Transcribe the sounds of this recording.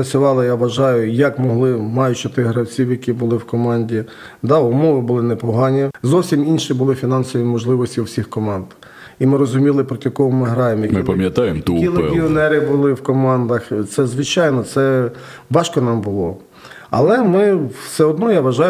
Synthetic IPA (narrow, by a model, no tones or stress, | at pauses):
ɐt͡sʲʊʋɑlˠɪjaʋɐʒɑjʊjɐkmɔɦlˠɪmɑjʊt͡ʃɔt̪ɪɦɾɐwt͡sʲiwjɐkʲibʊlˠɪwkɔmɑnʲdʲi | d̪ɑʊmɔʋɪbʊlˠɪnɛpɔɦɑnʲizɔwsʲiminʃibʊlˠɪfʲinɑnsɔʋʲimɔʒlˠɪʋɔsʲtʲiwsʲixkɔmɑnd̪̥ | imɪɾɔzʊmʲilˠɪpɾɔtʲjɐkɔɦɔmɪɦɾɑjemjmɪpɐmʲjɐt̪ɑjemt̪kilˠiɔnɛɾɪbʊlˠɪwkɔmɑnd̪ɐxt̪sɛzʋɪt͡ʃɑjnɔt̪sɛ | ʋɑʃkɔnɑmbʊlˠɔ | ɐ̰lˠɛmɪwsɛɔd̪nɔjaʋɐʒɑjʊ